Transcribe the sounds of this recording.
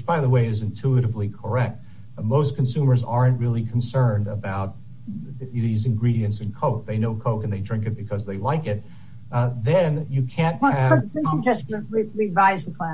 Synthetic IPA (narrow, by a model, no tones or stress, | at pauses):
wɨt͡ʃb̥aɪðəweɪɨzɨ̃ntʰʉɨɾɨvlikʰə˞ɛk̚t̚ | moʊskʰn̩sʉ̃mə˞zɑɹɨ̃nʔ̚ɹɪlˠikʰn̩sɜ̃˞ndəbaʊt̪̚ | ðizɨ̃nɡɹiɾiɨ̃ntsɨ̃nkʰoʊk̚ðeɪnoʊkʰoʊkɨ̃n̩ðeɪdɹɪ̃ŋkɨt̚b̥ɨkʰʌzðeɪlaɪkɪt̪̚ | ðɨ̃njɨkʰæ̃nt̚ɨɛ̃tɛsɨ̃ɹiɹɪdvaɪzðəkʰl̥æ̃